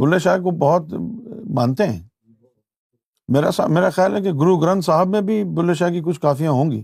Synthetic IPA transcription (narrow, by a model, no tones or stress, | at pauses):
bʊlːeːʃaːk̬obɔɦʊt̪bãːnt̪eɦɛ̰̃ː | meːɾasa̰meːɾaxjaːlɦɛkeɡʊɾuɡɾə̃nt̪saːɦəbmẽbʱibʊleːʃaːk̬ik̬ʊt͡ʃʰkaːfijãɦõːŋ̆ɡḭː